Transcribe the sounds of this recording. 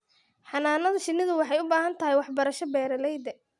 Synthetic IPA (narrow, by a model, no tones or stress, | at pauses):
ħɑnaːnɐðɐʃɪnːɪðʊwɑħɑjʊbaːɦɐnt̪ʰɐɦɛjwɑħbɐɾɐʃɔbɛːɾɐlɛjd̪ɛ